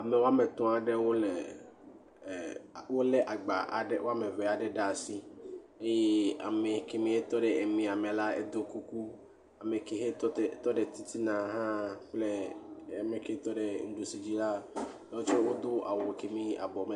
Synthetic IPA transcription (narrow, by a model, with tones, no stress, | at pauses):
a˨me˨wo˦a˦me˨t̪ɔ̃˦a˨ɖe˦wo˦le˨ | wo˦le˦ʔa˨ɡ͡ba̰˨ʔa̰˨ɖɛ˦wo˦a˦me˨vɛ˨a˨ɖɛ˦ɖa˨si˦e˦je˦a̰˨me˨ke˦mĩ˦e˦t̪ɔ˦ɖe˨e˨mĩ˨a˨me˨la˦ḛ˦d̪o˦ku˦ku˦ | a˨me˨ke˦ɦe˦˨t̪ɔ˦ɖe˨t̪i˦t̪i˦nã˨ɦã˦k͡ple˦a˨me˨ke˦t̪ɔ˦ɖe˨ŋ̩˦ɖu˨si˨d͡ʑi˦la˦lɔ˦o˦t͡ʃo˦wo˦d̪o˦ʔa̰˨wo˨ke˦mĩ˦a̰˨bɔ˨me˨